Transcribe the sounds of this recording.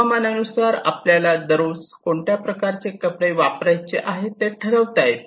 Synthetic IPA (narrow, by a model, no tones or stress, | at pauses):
mananusaɾa̰pljalad̪əɾuskoɳʈjapɾəkaɾt͡ɕekəpɽeʋapɾajt͡ɕeʔaɦet̪ːeʈʰəɾəʋt̪aɦet̪